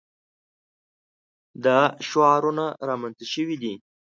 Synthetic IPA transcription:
d̪aʃwɑɾunaɾɑmanzəʃəwid̪i

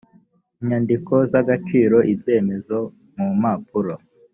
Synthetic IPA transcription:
iɲandiko̞zaɡat͡ʃiːɾo̞ʔibje̞ːme̞zo | mumapuɾo

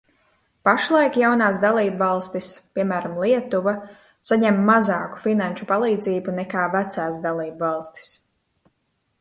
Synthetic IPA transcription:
paʃlˠajkjawnaːs̬d̪alˠiːbvɑlˠst̪ispʲiɛmæːɾamlˠiɛt̪uva | saɲɛmːazaːku̥finanʃupalˠiːd̪ziːbunɛkaːvæt̪saːsd̪alˠiːbvɑlˠst̪i̥s

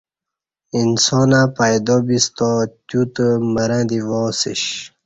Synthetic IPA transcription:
insɔːnapajd̪obist̪ot̪jut̪əməɾãd̪ivɔsḭɕ

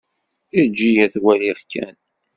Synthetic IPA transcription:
id͡ʒːijæθwæliʁkæ̰n

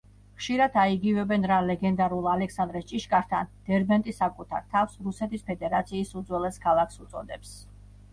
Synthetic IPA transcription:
χʃiɾad̪aiɡivɛbɛnɾalɛɡɛnd̪aɾulˠalɛksand̪ɾɛst͡ʃʼiʃkʼaɾt̪ʰa̰nd̪̥ɛɾbɛnt̪ʼisakʼut̪ʰa̰ɾt̪ʰafsɾusɛt̪ispʰɛd̪ɛɾat̪sʰiːsud̪zwɛlɛskʰalˠakʰsut̪sʼɔ̰d̪ɛps

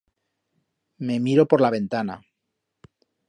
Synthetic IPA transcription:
me̞miɾo̞po̞ɾlaβ̞e̞nt̪ana̰

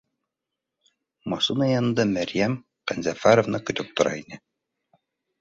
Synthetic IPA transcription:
mɒsunɑjɑnnd̪ɤmæɾjæm | qænzæfaɾovnɤkɵ̆t̪ɵp̚t̪ŏɾɑ̰inɘ

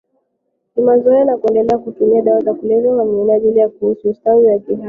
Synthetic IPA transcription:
kimazɔɛanakuɛndɛlɛakutumiaɗawatakulɛvɔaminaaʄilijakuhusuːstauwakiɦa

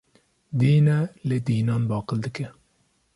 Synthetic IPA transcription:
d̪iːnɛled̪iːnɑːnbɑːqəld̪ɨkɛ

